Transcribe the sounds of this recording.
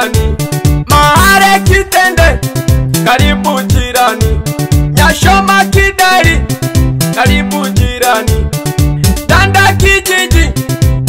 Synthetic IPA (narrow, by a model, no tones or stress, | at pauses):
nimaɦaɾɛkitɛndɛkaɾipud͡ʒiɾaniɲaʃɔmakiɗɛɾi | kaɾipud͡ʒiɾani | tandakid͡ʒiɲd͡ʒi